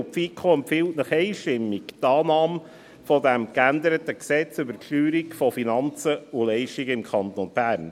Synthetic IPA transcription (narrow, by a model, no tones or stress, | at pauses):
pfikʰχoɛmpfɪltnəχɛɪʃtɪmːiktɑːnɑːm | fɔdæmkænd̪əɾətəksɛt͡sʏbəɾkʃlyːɾikfɔfinɑnt͡səʊlɛɪʃtiɡəɪmkʰɑnt̪ɔnb̥æːɾn